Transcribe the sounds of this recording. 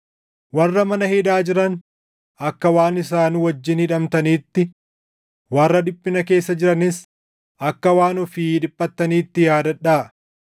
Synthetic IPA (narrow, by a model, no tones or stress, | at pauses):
wɐrːɐmɐnɐhɪd̪aːd͡ʒɪɾɐn | ɐkːɐwaːnɪsaːnwɐd͡ʒːɪnhɪᶑɐmt̪ɐniːt̪ːɪ | wɐrːɐᶑ̪ɪpʼːɪnɐke̞ːsːɐd͡ʒɪɾɐnɪs | ʔɐkːɐwaːnɔfɪᶑɪpʼːɐt̪ːɐniːt̪ːɪjaːd̪ɐᶑaː